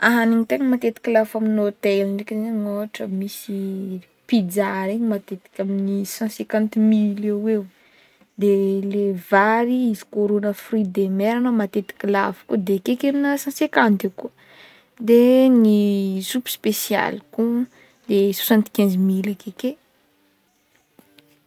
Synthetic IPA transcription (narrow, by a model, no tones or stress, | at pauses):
aɦaniɲit̪eɲəmat̪et̪i̥kʲilafaminot̪elnɖ͡ʐekizeɲoaʈ͡ʂəmisi | pid͡zaɾeɲimat̪et̪i̥kʲaminisãsẽkãnt̪milewew | d̪elevaɾiizi̥koɾonəfrid̪emeɾanamat̪et̪i̥kʲila̰vi̥kuəd̪ekekeɾinəsãsekãnt̪ekuə | d̪enisupspesia̰lku | d̪eso̥sãnt̪i̥kʲẽnzimilakeke